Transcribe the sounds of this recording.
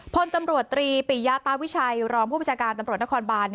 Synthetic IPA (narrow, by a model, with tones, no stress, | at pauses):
pʰo˧nt̪a˧mɾu˨˩ət̪ːɾiː˧piː˨˩ja˦˥t̪aː˧wi˦˥t͡ɕʰa˧jɾɔː˧ŋpʰuː˥˩ba˧˨nt͡ɕʰaː˧kaː˧nt̪a˧mɾu˨˩t̪̚na˦˥kʰɔː˧nbaː˧n